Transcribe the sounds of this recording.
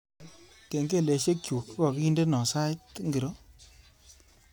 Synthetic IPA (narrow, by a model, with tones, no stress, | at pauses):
ke˨ŋɡe˦˨le˨ʃe˦kju˨kɔ˨ki˦nde˦nɔ˨sa˦ɪ˦tŋɡi˨ɾo˦